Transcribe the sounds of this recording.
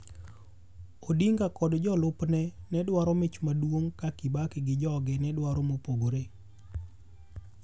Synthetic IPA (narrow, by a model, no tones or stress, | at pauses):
odiŋɡakɔdd͡ʒɔlʊpnɛnɛdwaɾɔmɪt͡ʃmadwoŋkakibakɪɡɪd͡ʒɔɡɛnɛdwaɾomopoboɾe